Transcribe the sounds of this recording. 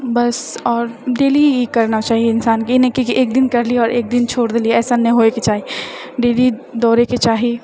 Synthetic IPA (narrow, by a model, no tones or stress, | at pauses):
bɐsɔːɾɖeːlikɐɾnat͡ʃaːɦieɪnsaːnkinẽkikiʔeːk̚d̪ɪnkɐɾlieɔːɾʔeːk̚d̪ɪnt͡ʃʰoːɽd̪eːlieɛːsanɛɦoeket͡ʃaːɦiɖeːlid̪ɔːɾeket͡ʃaːɦi